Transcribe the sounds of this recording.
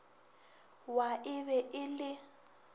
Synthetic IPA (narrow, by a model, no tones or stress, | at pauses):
waɪβɛʔɪlɪ